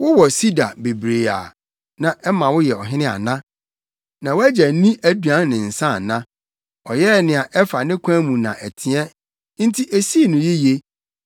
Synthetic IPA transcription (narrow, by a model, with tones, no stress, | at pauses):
wʊ˦wɔ˨si˦da˨be˨bɾe˨a̰˨ | nã˨ʔɛ˦mã˨wʊ˦jɛ˨ɔ˨ɦɪ̃˦nɪ̃˦a̰˨nã˦ | nã˨wæ˦d͡ʑæ˨˦nĩ˦ʔæ˦du˨ã˦nːɪ̃˨n̩˨sã˦˨nã˦ | ɔ˨jɛ˦˨nɪ̃˨a˨ʔɛ˦fa˨nɪ̃˦kʷʰã˦mũ˨nã̰˨ʔæ˨tʰɪ̃˨ɛ˦ | n̩˦tʰi˦ʔæ˨si˦e˨nʊ̃˨je˦je˦